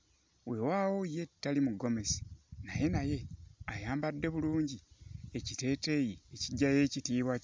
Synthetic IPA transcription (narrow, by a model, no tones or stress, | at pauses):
we̞waːwoije̞tːalimuɡo̞me̞si̥naje̞naje̞ajaːmbadːe̞βuluːɲɟiecite̞ːte̞ːjieciɟːaje̞ːcitiːβwa